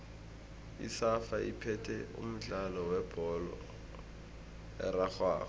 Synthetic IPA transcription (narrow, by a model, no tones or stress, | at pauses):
ḭsafaipʰɛtʰɛʊ̰m̩t͡ɬalɔwɛb̥ʱɔlɔ̰ | ɛrak͡xwa̰ːχɔ